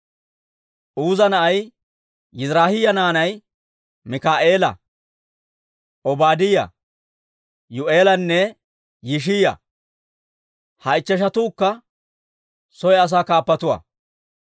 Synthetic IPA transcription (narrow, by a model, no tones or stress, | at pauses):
ʔuːzɐnɐʔɐj | jɪzɾaːhɪjɐnaːnɐj | mɪkaːʔe̞ːlɐ̰ | ʔɔbaːd̪ɪjɐ̰ | jʊʔe̞ːlɐnːɛ | jɪʃ̬ɪjɐ̰ | hɐɪt͡ʃːɛʃ̬ɐt̪uːkːɐ | sɔjɛɐs̬aːkaːpːɐt̪ʊwɐ̰ː